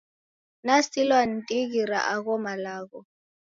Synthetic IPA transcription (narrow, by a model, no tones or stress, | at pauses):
nasilwan̩tʼiɣiɾa̰ʔaɣɔmalaːɣɔ